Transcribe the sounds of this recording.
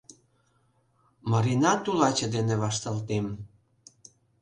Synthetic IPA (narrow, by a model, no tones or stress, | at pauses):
mɑɾinɑt̪ulɑt͡ɕə̆d̪eneβɑʃt̪ɑlt̪em